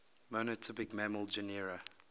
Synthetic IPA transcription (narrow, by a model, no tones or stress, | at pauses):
monətʰɪpɪkmæməlˠd͡ʒəniɹə